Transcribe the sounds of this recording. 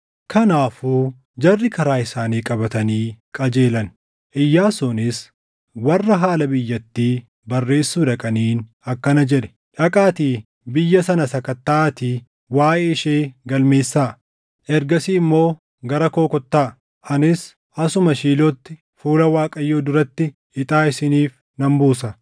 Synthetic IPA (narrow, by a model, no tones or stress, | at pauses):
kʰɐnaːfuː | d͡ʒɐrːɪkɐɾaːɪsaːniːkʼɐbɐt̪ɐniːkʼɐd͡ʒe̞ːlɐn | ʔɪjːaːsuːnɪs | wɐrːɐɦaːlɐbɪjːɐt̪ːiː | bɐrːe̞ːsːuːᶑɐkʼɐniːn | ɐkːɐnɐd͡ʒɛᶑɛ̥ | ᶑɐkʼaːt̪iː | bɪjːɐsɐnɐsɐkɐt̪ːaːt̪iː | waːʔɛɪʃeːɡɐlme̞ːsːaː | ʔɛɾɡɐsiːɪmːo̞ː | ɡɐɾɐko̞ːkɔt̪ːaː | ʔɐnɪs | ʔɐsʊmɐʃiːlɔt̪ːɪ | fuːlɐwaːkʼɐjːoːd̪ʊɾɐt̪ːɪ | ɪt̪ʼaːɪsɪniːf | nɐmbuːsɐ